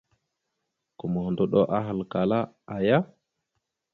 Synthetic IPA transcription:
kɔ˨mɔ˨hɔ˨ndɔ˦ɗɔ˦ʔa˦ɦa˨lka˨la˦ʔa˨ja˦

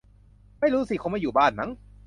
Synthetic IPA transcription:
ma˥˩jɾuː˦˥si˨˩ko˧nmaː˧juː˨˩baː˥˩nma˦˥ŋ

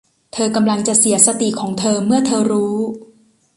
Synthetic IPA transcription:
t̪ʰɤː˧ka˧mla˧ŋt͡ɕa˨˩si˩˦ɐsa˧t̪i˨˩kʰɔː˩˦ŋt̪ʰɤː˧mɯ˥˩ɐt̪ʰɤː˧ɾuː˦˥

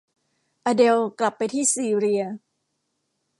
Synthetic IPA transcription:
ʔa˧de˧wkla˨˩pːa˧jt̪ʰiː˥˩siː˧˨˧ɾi˧ɐ

